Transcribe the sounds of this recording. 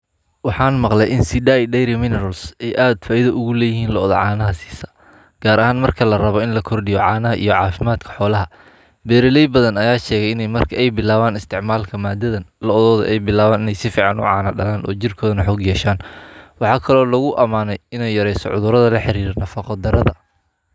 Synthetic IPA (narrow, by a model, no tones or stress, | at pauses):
wɑħɑːnmɑqlɛjʔɪnsɪdajɖɛjɾɪmɪnɛɾɐlsɛjʔaːd̪faːɪðɐʔʊɣʊlɛːjɪɦiːnlɐɔðɔʕɑːnɐɦɐsi̥ːsɐ̥ | ɡ̥aːɾɐɦaːnmɐrkʰɐlɐrɐβɔɪnlɐkʰɔrɖɪjɔʕɑːnɐɦɐʔḭjɔʕɑːfɪmaːd̪kʰɐ̥ħɔːlɐɦɐ | bɛːɾɪlɛjbɐðɐnɐjaːʃɛːɣɛjɪnɛjmɐrkʰɐɛjbɪlaːβaːnɪst̪ʰɪʕmaːlkʰɐmaːd̪ɐðɐnlɐɔðɔːðɔ̰ʔɛjbɪlaːβaːnɪnɛjsɪfiːʕɑnʊ̰ʕɑːnɐɖɐlaːnʔɔ̰ːt͡ʃɪrkʰɔːðɐnɐħɔːɡjɛːʃaːnwɑħɑːkʰɐlɔːlɐɣʊʔɐmaːnɛjɪnɛjɐɾɛjsɔ̰ʕʊ̰ðʊɾɐðɐlɐħɪɾiːrnɐfɐqɑd̪ɐɾɐðɐ